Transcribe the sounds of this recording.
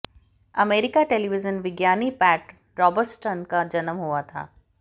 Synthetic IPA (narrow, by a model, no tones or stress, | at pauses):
ɐmeːɾɪkaʈeːliʋɪzənʋɪɡjaːnipɛːʈ | ɾɔːbəɾʈsʈənkad͡ʒɐnəmɦuat̪ʰa̰ː